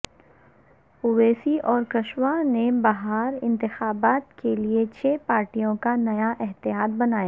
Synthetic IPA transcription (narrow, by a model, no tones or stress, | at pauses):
ʊweːsiʔɔːɾkɐʃwanebaɦaːɾɪ̃nt̪ɪxaːbaːt̪keliet͡ʃʰɛːpaːɾʈijõkanɐjaʔɛɦt̪ɪjaːd̪̚bɐnaːjaː